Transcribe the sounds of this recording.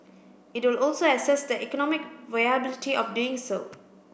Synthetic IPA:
ɪtwɪlɔlsoəsɛsd̪əʔɛkɔnɔmɪkvajabɪlitiʔɔfduːɪ̃ŋso̰

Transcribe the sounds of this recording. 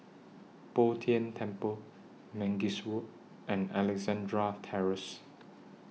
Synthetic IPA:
pɔtʰiə̃ntʰɛ̃mpəl | mɛ̃ŋɡiswuʔ | ʔɛ̃nɛlɛɡzãndɹatʰɛɹəs

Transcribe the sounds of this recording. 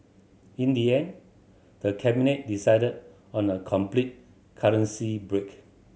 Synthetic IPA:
ĩndiɛ̃n | d̥əkʰɛbinet̚disaɪdəd | ɔ̃nəkʰɔ̃mplit̚ | kʰaɹə̃nsibɹek

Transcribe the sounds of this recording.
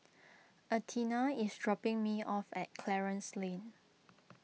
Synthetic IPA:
ətʰinaisdɹɔpɪ̃ŋmiʔɔfɛt̚kʰlɛɹə̃nslẽn

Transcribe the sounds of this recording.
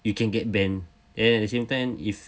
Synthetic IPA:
jukɛ̃nɡɛt̚bɛ̃n | dɛ̃nɛt̚dəsẽmtãɪ̃mif

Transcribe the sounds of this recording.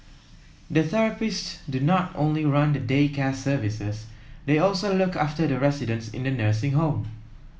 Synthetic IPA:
dəθɛɹəpɪssdunɔtõ̰nliɹãndədekɛsəvisəsdeɔlsolukʰaftədəɹɛsɪdə̃nsɪ̰̃ndənəsɪ̃ŋɦõʊm

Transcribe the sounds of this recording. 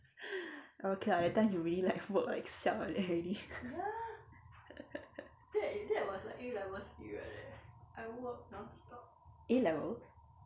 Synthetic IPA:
ʔokʰeadɛtãɪ̃mjuɹililaɪkwɔkla̰ɪksɛdɛɹili | dɛdɛawɔslaɪkilɛvəsḭɛ̰dɛʔaɪwɔ̃tnɔtstɔp̚ilɛvəls

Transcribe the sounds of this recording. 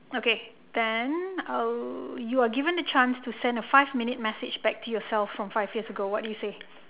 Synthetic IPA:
oke | d̪̥ɛ̃n | juaɡivə̃ndət͡ʃãnstusɛ̃ndəfaɪvmĩnɪt̚mɛsɪd͡ʒbɛk̚tʰujɔsɛlfɹɔ̃mfaɪvjiəsəɡowɔt̚dujuse

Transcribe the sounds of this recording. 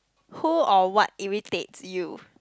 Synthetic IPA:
huɔwɔt̚ĩɹitetsju

